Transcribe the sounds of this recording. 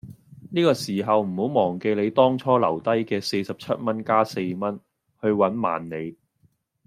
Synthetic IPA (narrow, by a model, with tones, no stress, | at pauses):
niː˥kɔː˧siː˨˩ɦɐ˨wm̩˨˩ho˨˥wmɔː˨˩ŋke˧jle˨˧jt̪ɔː˥ŋt͡ʃʰɔː˥lɐ˨˩wt̪ɐ˥jkɛː˧se˧jsɐ˨p̚t͡ʃʰɐ˥t̚mɐ˥nkaː˥se˧jmɐ˥n | hɵ˧ɥwɐ˨˥nma̰ː˨nːe˨˧j